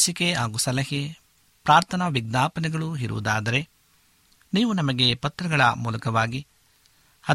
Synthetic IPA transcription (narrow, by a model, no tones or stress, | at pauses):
sikeɦaːɡusɐlɐɦe | pɾaːɾt̪ʰɐnɐʋiɡ̚naːpɐnɛɡɐɭuɦiɾṵʋud̪aːd̪ɐɾe̞ | niːʋunɐmɐɡe̞pɐt̪ɾɐɡɐɭɐ̰mṵːlɐkɐʋaːɡi | ɐ